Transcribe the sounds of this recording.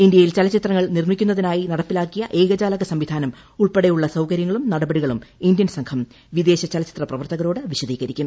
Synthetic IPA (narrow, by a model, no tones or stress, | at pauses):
ind̪jɐjilt͡ɕɐlɐt͡ɕːit̪rɐŋːɐɭnirmikʲːunːɐðinaːjinɐɽɐpːilaːkːijɐʔeːɡɐd͡ʑaːlɐɣɐsɐmʋid̪ʱaːnɐm | uɭpeɽejuɭːɐsɐwkɐɾjɐŋːɐɭumnɐɽɐbɐɽiɣɐɭumind̪jɐnsɐŋkʰɐm | ʋid̪e̞ːɕɐt͡ɕɐlɐt͡ɕit̪rɐprɐʋɐrt̪ɐɣɐɾo̞ːɽɨʋiɕɐd̪iːɣɐɾikʲːum